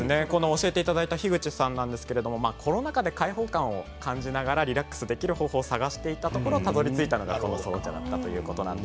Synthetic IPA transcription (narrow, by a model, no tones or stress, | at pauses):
ɨne̞ko̞no̞ːɕie̞t̪eit̪ad̪ait̪açiɡɯ̟t͡ɕisãnːãnd̪e̞sɨ̥ke̞ɾe̞d̪o̞mo̞maːkʰo̞no̞nakad̪e̞kaiɦo̞ːkãɰ̃o̞kãɲ̟d͡ʑinaɡaɾaɾʲiɾakːɯ̥sɨd̪e̞kʲiɾɯ̟ho̞ːho̞ːsaɡaɕi̥t̪e̞it̪at̪o̞koɾo̞t̪azo̞ɾʲit͡sɨit̪ano̞ɡa̰ko̞no̞so̰ːd͡ʑa̰d̪a̰t̪ːat̪o̞jɯ̟̰ːko̞t̪o̞nã̰nd̪e